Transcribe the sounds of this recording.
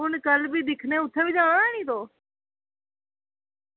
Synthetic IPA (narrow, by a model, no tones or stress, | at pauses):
ʊnkəlbʱiːd̪ɪkʰnẽːʊt̪ʰeːbid͡ʒãːaːnĩːt̪oː